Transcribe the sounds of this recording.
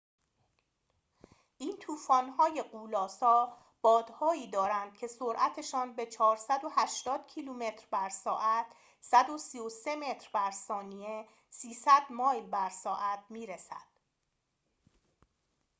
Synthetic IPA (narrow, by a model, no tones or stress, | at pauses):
ʔiːnt̪ʰuːfɒːnhɒːje̞ɢuːlɒːsɒː | b̥ɒːd̪̥hɒːiːd̪ɒːɾænd̪̥cʰe̞so̞ɾʔæt̪ʰeʃɒːnbe̞t͡ʃʰɒːɾsæd̪o̞hæʃt̪ɒːd̪̥cʰiːluːme̞t̪ɾbæɾsɒːʔæt̪ʰ | sæd̪o̞sijose̞me̞t̪ʰɾbæɾsɒːnie̞ | siːsæd̪mɒːjlbæɾsɒːʔæt̪̚ʰmiːɾesæ̰d̪̥